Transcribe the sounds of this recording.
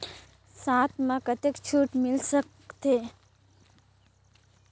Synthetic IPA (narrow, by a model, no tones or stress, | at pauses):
saːt̪ʰmãkət̪ekt͡ʃʰuːʈmɪlsək | t̪e